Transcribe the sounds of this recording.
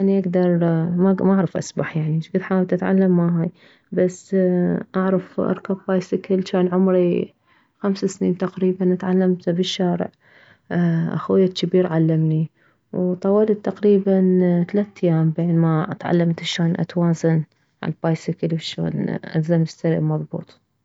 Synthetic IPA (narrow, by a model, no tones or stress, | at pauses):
ʔaniʔaɡd̪ɑɾˤmamaʔaʕɾˤɑfʔa̰sˤbɑħjaʕniʃɡɪd̪ħaːwɪlt̪ʔat̪ʕa̰lːamːaɦaːj | basːʔaʕɾˤɑfʔɑ̰ɾˤkabbaːjsɪkɪlt͡ʃaːnʕʊmɾi | xamsasniːnt̪aqɾiːbanʔat̪ʕalːamt̪bɪʃːaːɾɪ̰ʕ | ʔa̰xwɪjːakːabiːɾʕalːamni | wt̪ˤɑwalt̪ːaqɾiːbant̪alat̪ːajaːmbenmaʔat̪ʕa̰lːamt̪ʃaːnʔa̰t̪waːzan | ʕa̰lbaːjsɪkɪlbɪʃa̰ɣlʔa̰zamɪst̪aɾḭmɑðˤbṵːt̪ˤ